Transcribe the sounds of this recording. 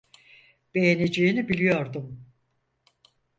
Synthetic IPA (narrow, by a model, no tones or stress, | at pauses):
b̥e̞jened͡ʒejinibilʲijo̞ɾd̪um